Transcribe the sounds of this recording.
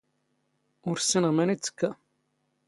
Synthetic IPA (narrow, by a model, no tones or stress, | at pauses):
ʊɾsːinəʁmænit͡sːə̥kːæ